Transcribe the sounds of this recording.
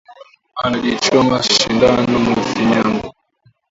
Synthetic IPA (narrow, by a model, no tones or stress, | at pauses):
anaʄit͡ʃɔmaʃindanɔmufiɲaŋɡɔ